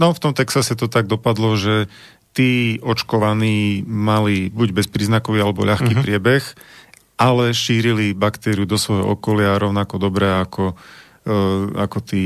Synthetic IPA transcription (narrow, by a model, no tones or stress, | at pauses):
nɔft̪ɔmt̪ɛksasɛt̪ɔt̪aɡ̚d̪ɔpad̪lɔʒɛ | t̪iːɔt͡ʃkɔʋaniːmalibuɟbɛspɾiːznakɔʋiːalɛbɔ̰ʎaxkiːpɾɪɛbɛx | ʔalɛʃiːɾilibakt̪ɛːɾiud̪ɔsʋɔjɦɔ̰ʔɔkɔlɪaɾɔʊnakɔd̪ɔbɾɛːakʰɔ | a̰kɔt̪iː